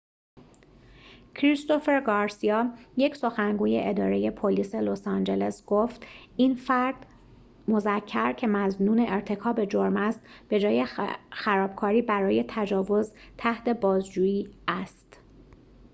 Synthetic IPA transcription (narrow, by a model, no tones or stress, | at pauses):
cʰɾist̪o̞fe̞ɾɡɒːɾsiɒːjecʰso̞xæŋɡuːje̞ʔed̪ɒːɾe̞je̞pʰoliːse̞losɑnd͡ʒe̞le̞sɡ̥oft̪infæɾd̪̥ | mo̞zæcʰːæɾcʰe̞mæznuːne̞ʔeɾt̪ʰe̞kʰɒːbe̞d͡ʒoɾmæst̪b̥e̞d͡ʒɒːje̞xæɾɒːb̥̚kʰɒːɾiːbæɾɒːje̞t̪ʰæd͡ʒɒːvo̞zt̪ʰæht̪e̞bɒːzd͡ʒuːjiːæst̪